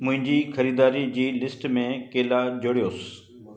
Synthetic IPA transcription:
mʊ̃ɦɪ̃ɲd͡ʑiːxʰəɾiːd̪aːɾid͡ʑiːlɪsʈmẽːkeːlaːd͡ʒoɽɪjoːs

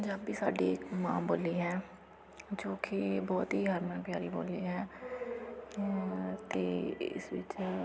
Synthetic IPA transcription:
d͡ʒabiːsaːɖiːkmã̰ːboːliːɦɛː | d͡ʒõːkibɔːt̪ɦiːɦəɾmə̃ːpjaːɾiːbo̰ːliːɦɛː | t̪eːɪ̰sʋɪ̰t͡ʃ

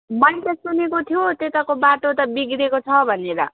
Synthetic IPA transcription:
mʌnit̪ʌsunekot̪ʰijot̪et̪akobaʈot̪ʌbiɡɾekot͡sʰʌbʱʌneɾʌ̰

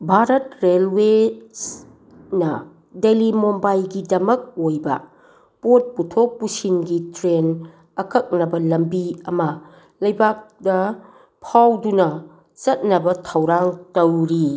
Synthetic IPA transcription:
bʱaɾɐt̚ɾelwe | nɐ | delimombajɡidɐmɐk̚ojbɐ̰ | pot̚putʰok̚pusinɡitɾen | ɐkɐk̚nɐbɐlɐmbiɐmɐ | lɐjbak̚dɐ | pʰawdunɐ | t͡ʃɐt̚nɐbɐtʰɐwɾaŋtɐwɾi

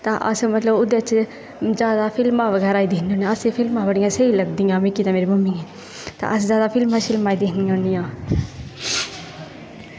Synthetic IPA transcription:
t̪aːʔə̰smət̪ləbʊd̪jt͡ʃ | zaːd̪aːpʰɪlmãːʋəɡɛːɾaːiːd̪ɪnd̪ioːnĩaːəseːpʰɪlmãːbəɽɪjãːseiləɡd̪ijãːmɪkiːt̪ãːmeːɾiːmʊmɪ̃ŋɛː | t̪a̰əszjaːd̪aːpʰɪlmaʃɪlmaːiːd̪eɦnionijãː

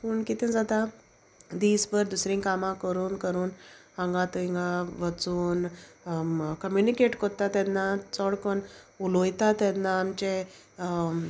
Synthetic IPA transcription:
puɳkit̪ɛ̃d͡zat̪a | d̪iːd͡zbəɾd̪usɾĩŋkamãkəɾuːnkəɾuːn | ãŋɡãt̪əiŋɡaʋət͡suːn | kəmjunikeʈkoɾt̪at̪ɛnːat͡sɔɽkənulojt̪at̪ɛnːaːmt͡ɕe

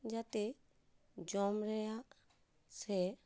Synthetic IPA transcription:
d͡ʒat̪e | d͡ʒɔmɾɛja | sɛ

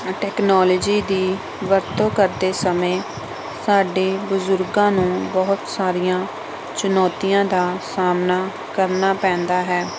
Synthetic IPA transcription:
ʈɛːknɔːləd͡ʒiːd̪iː | ʋəɾt̪õːkəɾd̪eːsəmẽː | saːɖeːbʊzʊɾɡãːnũːbɔːt̪saːɾijãː | t͡ʃʊnɔːt̪ijãːd̪aːsaːmnaː | kəɾnaːpɛ̃ːnd̪aːɦɛː

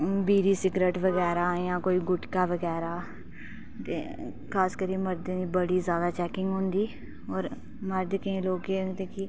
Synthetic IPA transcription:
biːɾiːsɪɡɾeːʈʋəɡɛːɾaːjãːkoːiːɡʊʈkaːʋəɡɛːɾaː | t̪ḛː | kʰaːskəɾiːməɾd̪ẽːd̪iːbəɽiːzjaːd̪aːt͡ʃɛːkɪ̃ŋɡɦʊ̃ːnd̪iː | ɔːɾ | məɾd̪kĩːloːɡeːt̪eːki

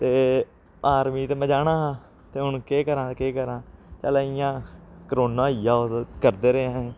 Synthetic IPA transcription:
t̪eː | aːɾmiːt̪eːməd͡ʒaːnãːɦaː | t̪eːɦʊɳkeːkəɾãːkeːkəɾãːt͡ʃəːlaːɪjãːkəɾoːnãːijaːokəɾd̪eːɾeãː

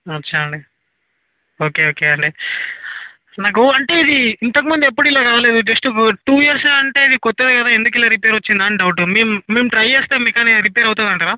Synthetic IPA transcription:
ʋɐt͡ʃːaɐɳɖi | o̞ːke̞ːoːkeːɐɳɖeː | naːk̬uɐɳʈe̞ːid̪iint̪ɐk̬imund̪iep̬ːuɽilːaːkaːle̞ːd̪ud͡ʒesʈuʈuːjiɐɾslaːɐɳʈe̞ːid̪ikot̪ːeːd̪kɐd̪aːend̪uk̬ilːaːɾipeːɾɐt͡ʃːind̪aːnɖɐwuʈ̬umeːmuːeːmʈɾɐjeːst̪eːmikaːniɾip̬eːɾɐwt̪und̪ɐɳʈaːɾaː

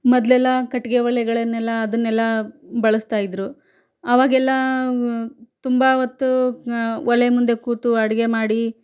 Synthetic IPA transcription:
mɔd̪lɛlːɐkɐʈːiɡeʋɐlɛɡɐɭɐnːɛlːɐːd̪ɐnːɛlːɐbɐɭɐst̪aːjid̪ɾu | ɐʋaːɡɛlːɐ | t̪umbɐot̪ːu | ɔlɛjmund̪e̞kuːt̪uɐɽiɡe̞maːɽi

